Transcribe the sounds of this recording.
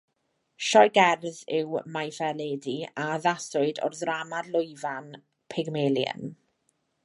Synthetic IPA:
ʃɔjɡɛrðɪwmajfɛleːdiaðasʊɨdɔ̰rðramadlˠʊjvan | pʰɪɡmeljə̰n

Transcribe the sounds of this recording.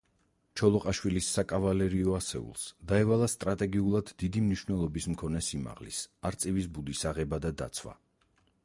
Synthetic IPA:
t͡ʃʰɔlˠɔqʼaʃwilisːakʼavalɛɾiɔasɛ̰ṵlˠsd̪aɛvalˠast̪ʼɾat̪ʼɛɡiulˠad̪ːid̪imniʃwnɛlˠɔbismkʰɔnɛsima̰ʁlḭsaɾt̪sʼivisbud̪isaʁɛbad̪ad̪a̰t̪sʰwa̰

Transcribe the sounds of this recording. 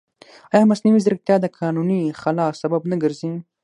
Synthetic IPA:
ajamɐsniwizəɾək̚t̪jaːd̪akʰɑːnunixɐlaːsɐbɐbnɐɡəɾzĩ

